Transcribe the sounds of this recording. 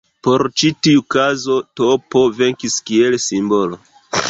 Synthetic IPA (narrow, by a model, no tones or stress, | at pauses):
po̞ɾt͡ʃitiukazo̞topo̞ve̞ŋkiskie̞lsimbo̞lo